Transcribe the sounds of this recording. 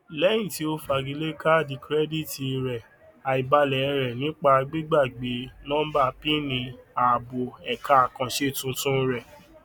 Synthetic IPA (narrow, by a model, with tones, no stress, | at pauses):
lɛ˦j̃ĩ˦˨ti˨˦o˦fa˧˨ɡi˨˧le˦ka˦˨di˧˨kɾɛ˦di˦˨ti˨˧ɾɛ˨ | a˨i˨ba˧lɛ˨˧ɾɛ˨nĩ˨˦k͡pa˧ɡ͡bi˦ɡ͡ba˦˨ɡ͡be˨˦nɔ̃˦ba˦˨pi˦nĩ˧a˨bo˨ɛ˨kʰa˨˦a˨kã˧ʃe˦˨tũ˧tũ˦ɾɛ˨